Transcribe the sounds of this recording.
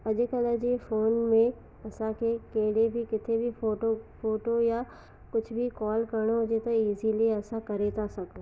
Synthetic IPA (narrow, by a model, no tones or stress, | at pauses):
ɐd͡ʒkɐləd͡ʒefoːnmẽ | ɐsãkʰekeːɽebʱikɪt̪ʰebʱioːʈofoːʈoja | kʊt͡ʃʰbʱikɔːlkɐɾɽ̃oʊd͡ʒet̪oiːzilieɐsãkɐɾet̪asɐko